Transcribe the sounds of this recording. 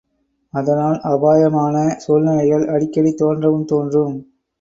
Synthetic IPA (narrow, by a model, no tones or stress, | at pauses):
ɐðɐnaːlʔɐbaːjɐmaːnɐsɔːlnɐlɐjɐlɐɽɪkːɐɽit̪ːoːɐndrɐʋɯmt̪oːndrɯm